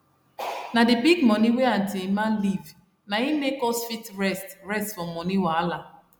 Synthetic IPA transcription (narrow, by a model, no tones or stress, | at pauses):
nadɪbiɡmɔniwean̩timan̩liv | naimekɔsfitɾɛstɾɛstfɔmmɔniwaala